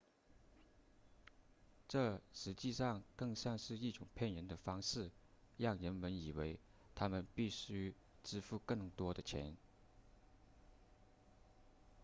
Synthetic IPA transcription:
ʈ͡ʂɤ˥˩ʂɻ̩˧˥t͡ɕi˥˧ʂɑ˥˧ŋkɤ˥˧ŋɕjɑ˥˧ŋʂɻ̩˥˧i˥˩ʈ͡ʂʊ˨˩ŋpʰjɛ˥˩nɻə˧˥nd̪ə˧fɑ˥ŋʂɻ̩˥˩ | ɻɑ˥˩ŋɻə˧˥nmə˧˥ni˨˩we˧˥ɪ | t̪ʰa˥mə˨npi˥˩ɕy˥ | ʈ͡ʂɻ̩˥fu˥˧kɤ˥˩ŋt̪wɔ˥d̪ə˨t͡ɕʰjɛ̰˧˥n

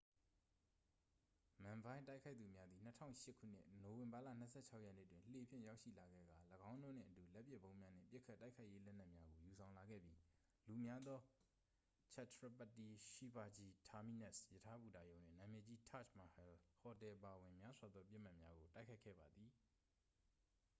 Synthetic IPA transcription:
mã˨mbã˦ɪ̃nta˦ɪkʰa˦ɪʔt̪θu˨mja˦d̪ði˨n̥ətʰã̰˦˨ʊ̃ʃɪ˦ʔkʰṵ˦˨n̥ɪ̰˦ʔno˨wɪ̃˨mba˨lä̰˦˨n̥ə˦sʰɛ̰˦˨t͡ɕʰa˦ʊʔjɛ˦˨nḛ˦˨twɪ̃˨l̥e˨pʰjɪ̰̃˦˨ja˦ʊʃḭ˦˨la˨ɡɛ̰˦˨ɡa˨ləɡã˦ʊ̃no˦nɪ̰̃˨ʔətu˨lɛ˦ʔpjɪ˦ʔbõ˦ʊ̃mja˦n̥ɪ̰̃˦˨pjɪ˦ʔkʰːa˦tːa˦ɪkʰa˦ɪʔje˦lɛ˦ʔn̥ɛ˦ʔmja˦ɡo˨ju˨sʰã˨ʊ̃la˨ɡɛ̰˦˨bji˦ | lu˨mja˦d̪ðɔ˦ | t͡ɕʰɛ˦˨tʰɹa˦pa˦˨ti˨ʃi˦ba˨d͡ʑi˦tʰa˨mi˦˨nɛ˦˨sjə˨tʰa˦bu˨da˨jõ˨ʊ̃nd̥ɪ̰̃˦˨nã˨mjɛ˨d͡ʑi˦tʰa̰˦˨t͡ʃma˨hɛ˨lhɔ˨tɛ˨ʔəpa˨wɪ̃˨mja˦swa˨d̪ðɔ˦p̬jɪ˦ʔm̥a˦˨ʔmja˦ɡo˨ta˦ɪkʰa˦ɪkʰɛ̰˦˨ba˨d̪ði˨

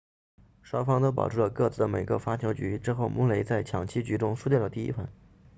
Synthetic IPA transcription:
ʂɑ˥ʊfɑ˥ŋt̪o˥ʊp̬ɑ˨˩ʊʈ͡ʂʰu˥˩lə˩kɤ˥˧t͡sʰɹ̩˥˩d̪ə˩me˨˩ɪɡə̰˧fa˥t͡ɕʰjo˧˥ʊt͡ɕy˧˥ʈ͡ʂɻ̩˥xo˥˩ʊmʔu˥ŋle˧˥ɪt͡sa˥˩ɪt͡ɕʰjɑ˨˩ŋt͡ɕʰi˥t͡ɕy˧˥ʈ͡ʂʊ˥ŋʂu˥˧t͡ɕjɛ˥˩lə˩t̪i˥˩ḭ˥fə̰˥˩n

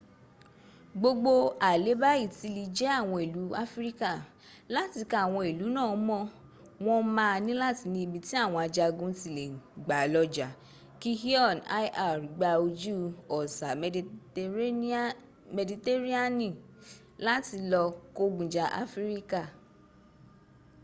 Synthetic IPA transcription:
ɡ͡bo˧ɡ͡bo˧a˨le˨˦ba˦i˦˨ti˨˧li˧d͡ʒɛ˦a˦˨w̃ɔ̃˧e˨lu˨˦a˦fɾi˦ka˦˨ | la˦ti˧ka˦a˦˨w̃ɔ̃˧e˨lu˨˦nãː˦˨˦mɔ̃˦˨ | w̃ɔ̃˧mã˧nĩ˦la˦˨ti˧nĩ˧i˧bĩ˧ti˦a˦˨w̃ɔ̃˧a˧d͡ʒa˧ɡũ˦ti˦˨le˨ɡ͡ba˨lɔ˧d͡ʒa˨ | ki˦hi˦ɔ˦˨na˦ʔa˨ɾi˨ɡ͡ba˧o˧d͡ʒu˦ɔ˨sa˨˦ | me˧di˧te˦ɾi˦a˦nĩ˦˨ | la˦ti˧lɔ˧ko˦ɡũ˨d͡ʒa˧ʔa̰˦fɾi˦ka˦˨

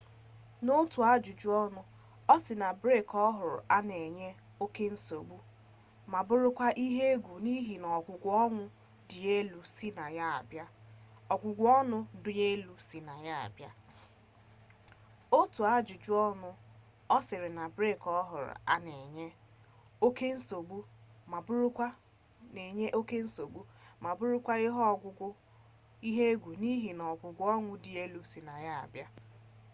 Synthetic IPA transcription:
no˦tu˨a˦d͡ʒu˨d͡ʒu˦ɔ˦nʊ˦ | ɔ˦sɪ˨na˨bɾe˦˨kɔ˦ɦʊ˨ɾʊ̰˨a˦ne˨ɲe˦ | o˦ke˦n̩˦so˨ɡ͡bu˦ | ma˨bʊ˦ɾʊ˦kʷa˦ʔi˦ɦe˦ɡʷu˨ni˦ɦi˨nɔ˨ɡʷʊ˨ɡʷʊ˨˦ɔ˦nʊ˦ | dʊ˨e˦lu˨si˦na˨ja˦a̰˨bja˦ | ɔ˨ɡʷʊ˨ɡʷɔ˦nʊ˦dʊ˨e˦lu˨si˨na˨ja˦a̰˨bja̰˦ | o˦tu˨a˦d͡ʒu˨d͡ʒu˦ɔ˦nʊ˦ | ɔ˦sɪ˨ɾɪ˨na˨bɾe˦˨kɔ˦ɦʊ̰˨ɾʊ̰˨a̰˦ne˨ɲe˦ | o˦ke˦n̩˦so˨ɡ͡bu˦ma˨bʊ˦ɾʊ˦kʷa˦ | e˨ɲe˦ʔo˦ke˦n̩˦so˨ɡ͡bu˦ma˨bʊ˦ɾʊ˦kʷa˦ɪ˦ɦɔ˦ɔ˨ɡʷʊ˦ɡʷʊ˦ | i˦ɦe˦ɡʷu˨ni˦ɦi˨nɔ˨ɡʷʊ˨ɡʷʊ˦ɔ˦nʷʊ˦di˨e˦lu˦si˨na˨ja˦a̰˨bja˦

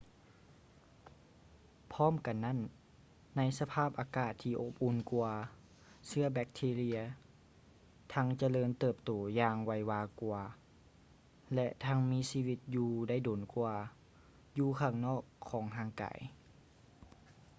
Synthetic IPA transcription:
pʰɔː˥˨mka˨nːa˦˥˨nː | a˧˥jsa˧pʰaː˥˩p̚ʔaː˨kaː˧˩t̪ʰːiː˧ʔo˧p̚ʔu˧˩nku˧ɐ | sɯ˧˥ɐbɛ˧˥k̚t̪ʰiː˧li˧ɐ | t̪ʰa˧˥ŋt͡ɕa˧lɤː˧nt̪ɤː˧˩p̚t̪oː˨˩˦jaː˧ŋwa˧˩jwaː˧ku˧ɐ | lɛ˧ʔt̪ʰa˧˥ŋmiː˧˥˨siː˧wi˧t̪̚juː˧da˥˩˨jdoː˨˩nku˧ɐ | juː˧kʰaː˧˩ŋnɔː˥˩kʰːɔː˩˦ŋɦaː˧˥ŋka̰ː˩˦j

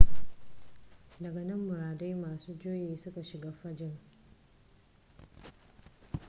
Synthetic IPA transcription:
dɐ˨ɡa˨nɐ˦mːʊ˨ɾaː˨da˦jmaː˨suː˦d͡ʒoː˦jeː˨sʊ˦ka˨ʃɪ˨ɡaː˦ɸɐ˦d͡ʒɪ˦ŋ

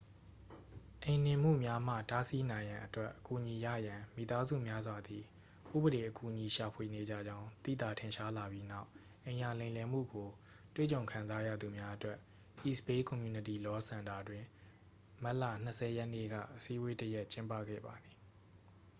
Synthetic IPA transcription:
ʔẽ˨n̥ɪ̃˨m̥ṵ˦˨mja˦m̥ä̰˦˨ta˦si˦nã˨ɪ̃jã˨ʔətwɛ˦ʔəku˨ʔɲi˨jä̰˦˨jã˨mḭ˦˨t̪a˦zṵ˦˨mja˦zwa˨d̪i˨ | ʔṵ˦˨bəɾe˨ʔəku˨ɲi˨ʃa˨pʰwe˨ne˨d͡ʑä̰˦˨d͡ʑã˦ʊ̃t̪ḭ˦˨t̪a˨tʰɪ̃˨ʃa˦la˨bji˦na˦˨ʊʔ | ʔẽ˨ɪ̃ja˨lẽ˨lɛ˨m̥ṵ˦˨ɡo˨ | twḛ˦˨t͡ɕõ˨ʊ̃ŋkʰã˨nza˦jä̰˦˨d̪u˨mja˦ʔətwɛ˦ʔ | ʔi˦˨spe˦kɔ̃˨mju˨nə˨ti˨lɔ˦sʰã˨nda˨dwɪ̃˨ | ma˦ʔlä̰˦˨n̥əsʰɛ˨jɛ˦ʔnḛ˦˨ɡä̰˦˨ʔəsi˦ʔəwe˦təjɛ˦ʔt͡ɕɪ̃˦mpä̰˦˨ɡɛ̰˦˨ba˨d̪i˨

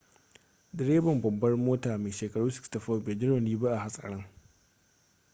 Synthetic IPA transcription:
dɪ˨ɾeː˦bɐ˨mbɐ˨mbɐ˦rmoː˦taː˨meː˨ʃeː˨kɐ˨ɽuː˦sɪ̥˦ksta˨ɸɔ˦˨beː˨d͡ʒɪ˦ɽo˨niː˦bɐ˦ʔa˨ha˨sʼɐ̰˨ɽɐ˦ŋ

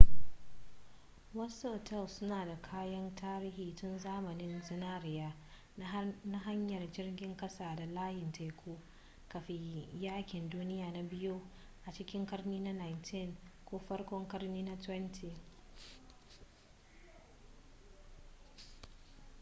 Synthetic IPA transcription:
wɐ˦soː˨tʰɛ˦˨lsʊ˦naː˨da˨kʰaː˦jɐ˦ntʰaː˦ɾiː˦hiː˨tʊ˦nzaː˦mɐ˨nɪ˦nzɪ˦naː˦ɾɪ˨jaː˦ | na˦ɦa˦ɲjɐ˨rd͡ʒɪ˦rɡʲɪ˦ŋkʼɐ˦saː˨da˨laː˦jɪ˨ntʰa˨kʰʷoː˦ | kɐ˨ɸe˨jaː˦kʲɪ˨nduː˦nɪ˦jaː˨na˨bɪ˦joː˦ | ʔa˨t͡ʃɪ˦kʲɪ˦ŋkɐ˦rniː˦na˦na˨jntʰɪ˦˨ŋkʷoː˦ɸɐ˦rkʷɔ˦ŋkɐ˦rniː˦na˦twɛ˦ntʰiː˨

